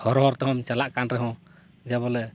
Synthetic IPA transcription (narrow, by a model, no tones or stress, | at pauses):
hɔɾɔɦɔɾt̪ɛɦɔmt͡ʃalaʔkanɾɛɦɔ̃ | d͡ʒaβɔlɛ